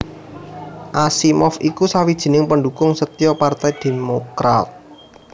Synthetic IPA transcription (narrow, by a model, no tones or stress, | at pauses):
ʔasimɔfikusawid̥ʒ̥i̤nɪŋpəɳdukʊŋsət̪ijɔpart̪ɛjd̪̥e̤mokɾa̰t̪̚